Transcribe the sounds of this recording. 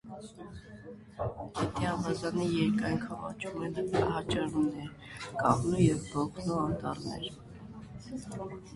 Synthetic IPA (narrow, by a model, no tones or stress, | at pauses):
jɛt̪ʰɛɑvɑzɑnijɛɾkɑjŋkʰɑvɑ̰t͡ʃʰumɛnɑɦɑt͡ʃɑɾunɛɾ | kʼɑʁnujɛvbɔkʰnuɑnt̪ɑɾnɛ̰ɾ